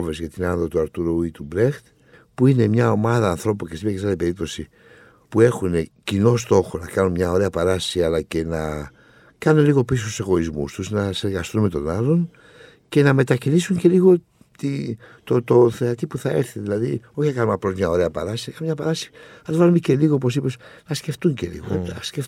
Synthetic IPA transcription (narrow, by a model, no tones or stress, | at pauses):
vezket̪inanðot̪uaɾt̪uɾoit̪ubɾext̪ | puine̞mɲɐomaðɐːnθɾo̞pukesmakes̬aðipe̞ip̚t̪o̞si | pue̞xunecino̞s̬t̪o̞xonɐkanunmɲɐoɾeɐpaɾasiɐlɐce̞nɐ | kɐnunliɣo̞pis̬ouse̞ɣo̞izmṵst̪uznɐse̞ɾɣɐst̪unme̞t̪o̞̰nalo̞n | kenamet̪akinisuŋkeliɣo | t̪it̪ot̪onθeat̪ipuθaeɾθeðlaðioxakamapɾosmɲaoɾeapa̰ɾasiakamɲapaɾasi̥alβaɾmikeliɣop̬os̬iposnaskeft̪uŋkelḭɣoeaske